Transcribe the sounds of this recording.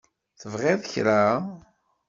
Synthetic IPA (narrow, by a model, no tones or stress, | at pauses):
θəvʁeðˤçɾa